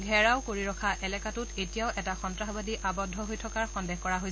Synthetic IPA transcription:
ɡʱɛɹaʊkoɹiɹɔkʰaʔɛlɛkatutetijaʊʔɛtaxɔntɹaxɔbadiʔabɔdʱːɔɦojtʰɔkaɹxɔndɛxkɔɹaɦoj

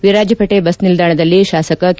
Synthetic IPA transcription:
ʋiɾaːd͡ʒjɐpɐʈebɐsnild̪aːɳɐd̪ɐlːiʃaːsɐkɐk

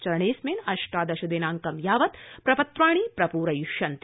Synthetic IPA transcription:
t͡ʃɐɾɐɳeːsmeːnɐʃʈaːd̪ɐʃɐd̪eːnaːŋkɐmjaːʋɐt̪pɾɐpɐt̪ɾaːɳ̃iːpɾɐpuːɾɐjuʃjɐnt̪

